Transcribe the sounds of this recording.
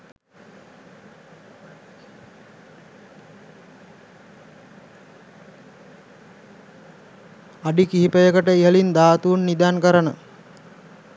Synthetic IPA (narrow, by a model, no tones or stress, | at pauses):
aɖikiɦipəjəkəʈəiɦəlind̪aːt̪uːnːid̪ankəɾənə